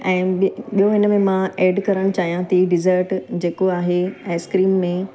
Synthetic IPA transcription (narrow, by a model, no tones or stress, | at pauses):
ɛ̃ːɓijoɦɪnəmẽmãeːɖkɐɾəɽ̃t͡ɕaːɦijãt̪ʰiɖɪzəɾʈd͡ʑeːkoaːɦeɛ̃ːskɾiːmːẽ